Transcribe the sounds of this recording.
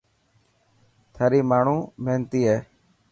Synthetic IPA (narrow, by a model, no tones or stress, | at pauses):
t̪ʰaːɾiːmaːɳ̤ũːmeːnt̪iːɦɛː